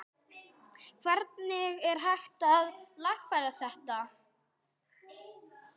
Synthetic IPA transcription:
kʰvɛɾt̪nɪɣɛɾ̥ɦajxt̪aðlaxfajɾaθɛht̪a

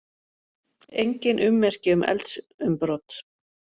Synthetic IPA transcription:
ejɲcɪnʔʏmːɛr̥cɪʏmʔɛ̰lt̪s | ʏmpɾɔt̪

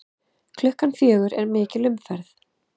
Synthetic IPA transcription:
kʰlʏhkanfjœːɣʏɾɛɾmɪːcɪlʏmfɛɾθ

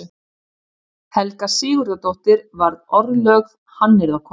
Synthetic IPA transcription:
hɛlkasɪːɣʏɾat̪ɔht̪ɪɾvaɾðɔɾðlœɣv | hanːɪɾðakʰɔ

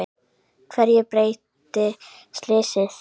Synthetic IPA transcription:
kʰvɛɾjɛpɾeːjt̪ | ɪ | st̪lɪːsɪθ

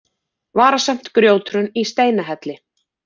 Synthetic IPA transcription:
vaːɾasam̥t̪kɾjoːwt̪ɾʏnist̪eːjnaɦɛt̪lɪ

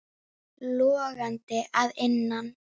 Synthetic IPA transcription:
loaɣant̪eʔaðenːan

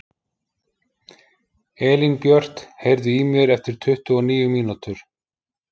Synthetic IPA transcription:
ɛːlinpjœr̥t̪hejɾðʏiːmʏɾɛft̪ɪɾ̥t̪ʰʏht̪ʏɔniːjʏmiːnut̪ʏɾ̥

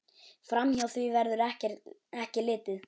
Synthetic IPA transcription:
fɾamçawθvivɛɾðʏɾɛhcɛɾtɛhcɪlɪːt̪ɪð

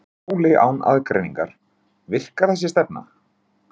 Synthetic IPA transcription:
wlɪʔa̰wna̰ðkɾḛjniŋka̰ɾ̥ | vɪr̥kaɾθɛs̬ːɪst̪ɛp̚na̰

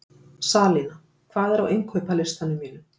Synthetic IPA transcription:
saːliːna | kʰvaːðɛɾawʔejŋkʰœpalɪr̥st̪anʏmiːnʏ

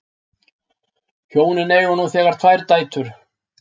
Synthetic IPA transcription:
çoːwnɪnɛːjɔnuθɛːɣaɾ̥t̪ʰvaːjɾt̪aːjt̪ʏɾ̥

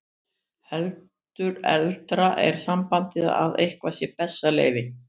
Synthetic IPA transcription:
hɛlt̪ʏɾɛ̰lt̪ɾaʔɛɾ̥θampant̪ɪð̰aðejhkvasjɛpɛsːalḛːjvɪ

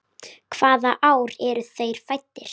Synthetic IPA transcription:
kʰv̥aːðaʔaːwɾɛɾʏθejɾ̥fajt̪ːɪɾ̥

